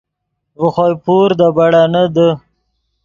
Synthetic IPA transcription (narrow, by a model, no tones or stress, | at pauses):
vəxojpuɾd̪əbaɽanəd̪ə